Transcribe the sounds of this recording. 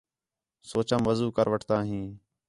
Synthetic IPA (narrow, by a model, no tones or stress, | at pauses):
soːt͡ʃəmʋəzuːkəɾʋəʈʰt̪ãːɦĩː